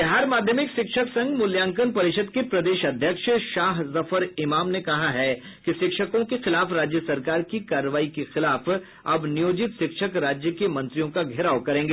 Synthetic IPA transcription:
ɪɦaːɾmaːd̪ʱjəmɪkʃɪkʃəksɐ̃ŋɡmʊljãːŋkənpɐɾɪʃəd̪kepɾɐd̪eːʃɐd̪ʱjəkʃʃaːɦzɐfəɾɪmaːmnekɐɦaɦɛ | kiʃɪkʃəkõkexɪlaːfɾaːd͡ʒjəsɐɾkaːɾkikaːɾəʋaːikexɪlaːf | ɐ̰bnijoːd͡ʒɪt̪ʃɪkʃəkɾaːd͡ʒjəkemɐ̃nt̪ɾijõkaɡʱɪɾaːokɐɾẽːŋɡeː

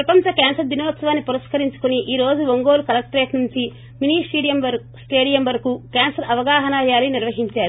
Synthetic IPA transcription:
pɾɐpɐɲt͡ʃɐkɛːnsɐɾd̪inɐːt̪sɐʋaːnːipuɾɐʂkɐɾiɲt͡ʃu̥kuniʔiːɾo̞ːd͡ʒuʋoŋɡoːlukɐlɐk̚ʈɾeːʈnuɲt͡ʃi | miniːsʈeːɽijɐmʋɐɾ | sʈeːɽijɐmʋɐɾɐkukaːnsɐɾɐʋɐɡaːɦɐnaːjaːliniɾʋɐɦiɲt͡ʃaːɾu

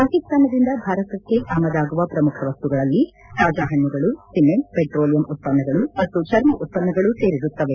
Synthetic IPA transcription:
paːkist̪aːnɐd̪ind̪ɐbʱaːɾɐt̪ɐkːe̞ʔaːmɐd̪aːɡuʋɐpɾɐmukʰɐʋɐst̪uɡɐɭɐlːi | t̪aːd͡ʒaːɦɐnːuɡɐɭusimempeʈɾoːlijɐmut̪̚pɐnːɐɡɐɭumɐt̪ːut͡ʃɐɾmɐʔut̪̚pɐnːɐɡɐɭuseːɾiɾut̪ːɐʋe

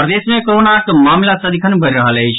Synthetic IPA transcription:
pɾəd̪esmẽkoɾonakmamlasəd̪ikʰənbʱəɾɾəɦələɦt͡ʃʰ

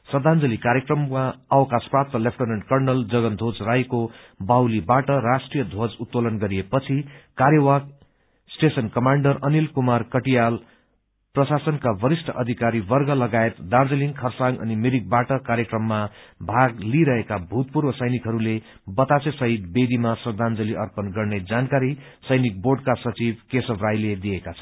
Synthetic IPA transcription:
sʌd̪and͡zʌlikaɾjekrʌmaʌwkasprap̚t̪ʌlepʰʈoneɳɖkʌrnʌld͡zʌɡʌnd̪ʱot͡srajko | bawlibaʈʌrasʈrijʌd̪ʱod͡zut̪ːolʌnɡʌɾijepʌt͡sʰikaɾjʌwak̚ | sʈesʌnkʌmaɳɖʌrʌnilkumarkʌʈijal | prʌsasʌnkabʌɾisʈʰʌʔʌd̪ʱikaɾibʌrɡʌlʌɡaet̪d̪ard͡zʌliŋkʰʌrsaŋɡʌ̰nimeɾik̚baʈʌkaɾjʌkrʌmːabʱaɡliɾʌɦekabʱut̪̚purwʌsʌjnikɦʌɾule | bʌt̪at͡sesʌɦit̪̚bed̪imasʌrd̪ʱand͡zʌliʔʌrpʌnɡʌrned͡zankaɾi | sʌjnik̚borɖkasʌt͡sibkesʌbrajled̪ijekat͡sʰʌ

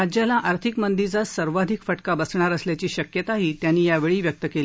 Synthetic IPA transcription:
ad͡ʑjalaʔaɾt̪ʰikmənd̪id͡zasəɾʋad̪ʱikfəʈkabəsɳaɾəsljat͡ɕiːɕəkjət̪aɦiːt̪janːiːjaʋeɭiːʋjək̚t̪əkeli

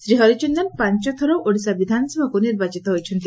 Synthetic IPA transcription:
sɾiɦɔɾit͡ʃunːanpaɲt͡ʃɔt̪ʰɔɾɔʔoɽisabid̪ʱanɔsɔbʱɔkuniɾbat͡ʃit̪ɔɦojt͡ʃʰɔnt̪i

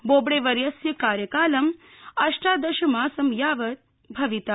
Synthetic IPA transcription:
boːbɽeːʋɐɾjɐsjɐkaːɾjɐkaːlɐm | ɐʃʈaːd̪ɐʃɐmaːsɐmjaːʋɐt̪ | bʱɐʋit̪a

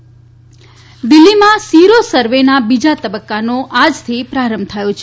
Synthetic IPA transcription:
d̪ɪlːimãsiɾosəɾʋenabid͡ʒat̪əbəkːanoʔad͡ʒt̪ʰipɾaɾəmbt̪ʰəjot͡ʃʰe

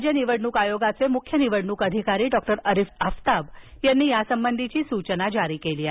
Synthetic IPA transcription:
d͡ʑəniʋəɽɳuːkajoɡat͡semukʰjəniʋəɽɳuːkəd̪ʱikaɾiːɖɔkʈəɾəɾifəft̪ab | janːiːjasəmbənd̪ʱit͡ɕiːsut͡ɕənad͡ʑaɾiːkeliːa

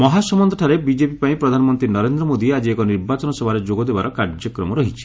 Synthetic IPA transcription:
mɔɦasɔmɔnd̪ʱɔʈʰaɾebid͡ʒepipaĩpɾɔd̪ʱanɔmɔnt̪ɾinɔɾend̪ɾɔmod̪iad͡ʒiekɔniɾbat͡ʃɔnɔsɔbʱaɾed͡ʒoɡɔd̪ebaɾɔkaɾd͡ʒjɔkɾɔmɔɾɔɦit͡ʃʰi̥

